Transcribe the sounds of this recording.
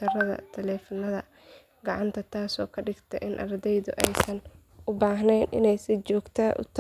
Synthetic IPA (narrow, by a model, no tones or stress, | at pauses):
ɐrɐðɐ̰t̪ʰɐlɛːfɔnɐðɐ | ɡɑʕɑnt̪ʰɐt̪ʰaːsɔːkʰɐɖɪɡt̪ʰɐ̰ʔɪnʔɐ̰rd̪ɛjðʊʔɛjsɐn | ʊbaːɦnɛjnʔɪ̰nɛjsɪt͡ʃɔːɡt̪ʰɐʊ̰t̪ʰ